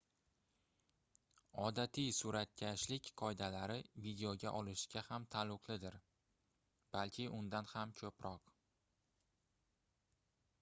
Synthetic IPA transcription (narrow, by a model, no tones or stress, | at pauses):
ɒd̪at̪ʰijsʊɾat̪̚kʲʰaʃlɪkʲqʰɒjd̪alaɾɪvid̪ejoɡʲaʔɒlˠɪʃɡʲahamt̪ʰalˠʊqʰlˠɪd̪ɪɾ | b̥alkʲʰɪʔʊnd̪anhamkʰɵpɾɒq